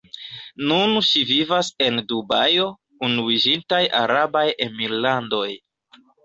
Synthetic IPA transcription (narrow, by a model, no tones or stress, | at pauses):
nunʃivivase̞ndubajo̞ | unuid͡ʒintajʔa̰ɾabajemiɾlando̞j